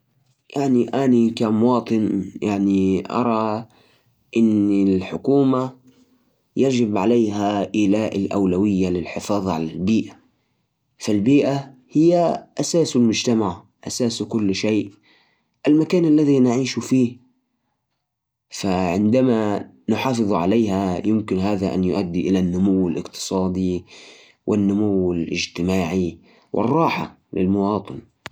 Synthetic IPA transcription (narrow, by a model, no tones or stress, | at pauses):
jaʕniʔanikammʊwɑːt̪ˤɨnjaʕniʔɑ̰ɾˤɑ | ʔɪnilħʊkuːma | jad͡ʒɪbʕalajɦaʔɪlaːʔalʔa̰wlawɪjːalɪlħɪfɑːðˤʕa̰lalbiːʔa | falbiːʔahɪjːaʔasaːsalmʊd͡ʒt̪amaʕ | ʔasaːskʊlːʃeːʔ | ʔalmakaːnalːaðinɪʕiːʃufiːh | faʕɪnd̪ama | nʊħɑːfɨðˤʕaleːɦajɪmkɪnɦaːðaʔa̰njʊʔad̪ːiʔɪlanːʊmʊwːɪlʔɪqt̪ɨ̥sˤɑːd̪i | wʔɪnːʊmʊwɪlʔɪ̰d͡ʒt̪ɪmaːʕi | wʔɪ̰rˤːɑːħa | lɪ̰lmʊwɑːt̪ˤɨn